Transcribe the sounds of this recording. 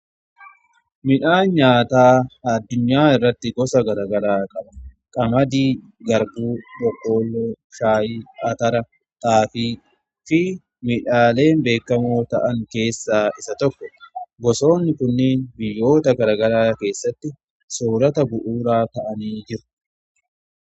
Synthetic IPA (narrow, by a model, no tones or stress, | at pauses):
mɪᶑaːɲaːt̪aːɐd̪ːʊɲːaːɪrːɐt̪ːɪɡɔsɐɡɐɾɐɡɐɾaːkʼɐɓɐ | kʼɐmɐd̪iː | ɡɐɾbuːᶑɔkːo̞ːlːoː | ʃaːjiːɐt̪ɐɾɐ | t̪ʼaːfiː | fɪ | mɪᶑaːle̞ːmbe̞ːkːɐmoːt̪ɐ̰ʔɐŋke̞ːsːaːɪsɐt̪ɔkːɔ̥ɡɔso̞ːnːɪkʊnːeːnbɪjːo̞ːt̪ɐɡɐɾɐɡɐɾaːke̞ːsːɐt̪ːɪ | soːɾɐt̪ɐbʊʔuːɾaːt̪ɐʔɐniːd͡ʒɪɾʊ̥